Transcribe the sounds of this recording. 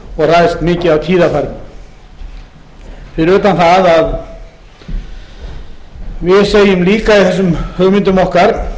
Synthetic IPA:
ɔɣr̥ajst̪mɪːcɪðawt̪ʰiːðafajɾt̪nɪ | fɪɾɪɾʏːt̪anθaðað | vɪðseːjʏmliːkaiθɛsːʏmhœɣmɪnt̪ʏmɔhkaɾ̥

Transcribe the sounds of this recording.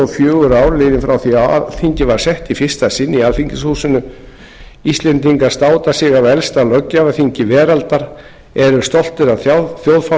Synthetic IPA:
ɔfjœːɣʏɾaːwɾlɪːðɪnfɾawθiaθiɲcɪvaɾ̥sɛht̪ifɪr̥st̪asɪnːialfiɲcɪshuːsɪnʏ | ist̪lɛnt̪iŋkaɾ̥st̪aːwt̪asɪɣavɛlst̪alœcːavaθiɲcɪvɛːɾalt̪aɾ | ɛɾʏst̪ɔl̥t̪ɪɾawθjowðfa

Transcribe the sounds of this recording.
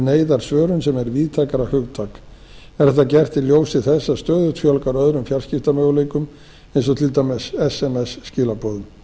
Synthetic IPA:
neːjðaɾ̥svœːɾʏnsɛmɛɾviːt̪ʰaːjkaɾahʏɣt̪ʰaːk | ɛɾ̥θɛt̪ːacɛr̥t̪ɪljoːwsɪðθɛsːast̪œːðʏt̪ʰfjɔlkaɾœðɾʏmfjar̥scɪft̪amœːɣleːjkʏm | ejnsɔt̪ʰɪlt̪amɛsɛsɛmɛsːcɪːlapɔːðʏ

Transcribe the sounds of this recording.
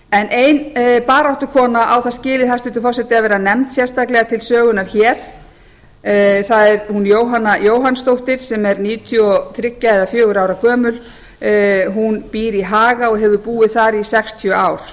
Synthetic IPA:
ɛnejnpaːɾaht̪ʏ̥kʰɔːnaʔawθascɪːlɪðhast̪ʏnt̪̬ʏ̥fɔɾsɛt̪ɪavɛːɾanɛmt̪sjɛr̥st̪aklɛɣat̪ʰɪlsœːɣʏnaɾ̥çɛːɾ̥ | θaðɛɾhunjoːwɦanːajoːwɦanst̪owht̪ɪɾ̥sɛmɛɾniːʏt̪ʰʏɔθɾɪcːaɛðafjœːɣʏɾaːwɾakʰœːmʏl | ɦunpiːɾiɦaːɣaɔɣɦɛvʏpuːɪθaɾisɛkst̪ʰjœaːwɾ̥

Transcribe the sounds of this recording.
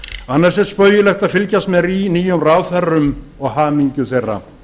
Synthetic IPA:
anːaɾ̥sɛspœːjʏlɛxt̪aðfɪlcast̪mɛɾiniːjʏmraːwθɛrːʏm | ɔɣhaːmiɲcʏθejrːa̰

